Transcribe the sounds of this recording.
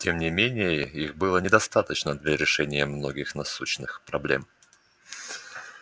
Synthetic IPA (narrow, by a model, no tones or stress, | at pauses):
tʲemnʲɪmʲenʲɪjəixbɨlˠənʲɪd̪ɐst̪at̪ət͡ɕnəd̪lʲɐɾʲɪʂɛnʲɪjəmnoɡʲɪxnɐsuɕnɨxpɾɐblʲḛm